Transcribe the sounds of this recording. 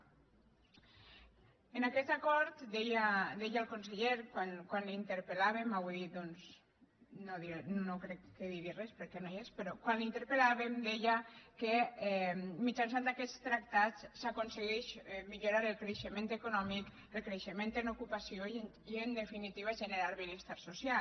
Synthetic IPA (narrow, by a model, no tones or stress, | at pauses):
enakɛt̪akɔɾt̪d̪ɛjad̪ɛjaːlˠkonseʎeɾkwankwanlint̪əɾpelaβemawuðid̪onz | noðinnokɾɛkːeðiɣirɛspəɾkɛnojespəɾɔkwanlint̪əɾpəlaβemd̪ɛjakeɛmit͡ʃans̬and̪akɛst̪ɾak̚t̪at̪ssakonseɣɛʃɛmiʎuɾaɾəlˠkɾeʃəmẽnt̪ekunɔmik | elˠkɾeʃəmẽnt̪enukupasio | iend̪efinit̪iβ̞aʒəneɾalˠβinest̪aɾsusja